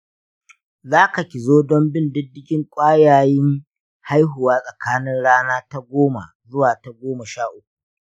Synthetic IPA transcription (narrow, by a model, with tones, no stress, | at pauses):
zaː˦ka˨kʲɪ˨zoː˦dɔ˦mbɪ˦ndɪ˦dɪ˦ɡʲɪ˦ŋkʷʼaː˦jaː˨jɪ˦ŋ | ha˦jɦʊ˨waː˦sʼɐ˨kaː˦nɪ˦ŋɽaː˦naː˦ta˦ɡʷoː˦ma̰˨zʊ˦waː˨ta˨ɡʷoː˦ma˨ʃaː˦ʔʊ˦kʷu˨